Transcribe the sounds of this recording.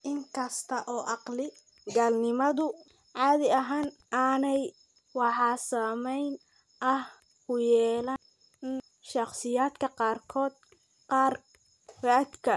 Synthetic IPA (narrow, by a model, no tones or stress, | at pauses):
ʔɪŋkʰɐst̪ʰɐʔɔːʔɑqlɪ | ɡaːlnɪmɐðʊ | ʕɑːðɪɐɦaːnʔaːnɛj | wɑħɑːsaːmɛjn | ʔɐh | kʊjɛːlɐn | ʃɑqsɪjaːd̪kʰɐqɑːrkʰɔːd̪̚ | qɑːr | raːd̪kʰɐ